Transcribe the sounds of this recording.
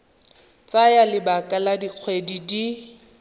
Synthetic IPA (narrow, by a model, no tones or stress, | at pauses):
t͡sʼajalɪbakʼaladiq͡χʰwedidi